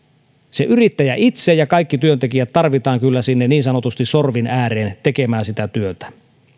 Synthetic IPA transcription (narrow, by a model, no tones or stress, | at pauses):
seʔyɾit̪ːæjæʔit̪sejɑkɑikːit̪yønt̪e̞kijæt̪tɑrʋit̪ɑːŋkylːæsinːeniːnsɑno̞t̪ust̪iso̞rʋinæːɾeːnt̪ekemæːnsit̪æt̪yøt̪æ̥